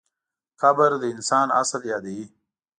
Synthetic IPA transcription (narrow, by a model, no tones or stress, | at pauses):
xabəɾd̪əɪnsɑːna̰səljɑːd̪ii